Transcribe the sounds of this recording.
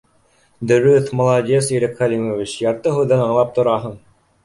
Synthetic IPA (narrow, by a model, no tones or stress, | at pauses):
d̪ɵ̆ɾɵθmŏlˠɑdʲesiɾɘkχælʲimovʲit͡ɕjɑɾt̪ɤɦŭðɤnɑɴlˠɑp̚t̪ŏɾɑɦɤɴ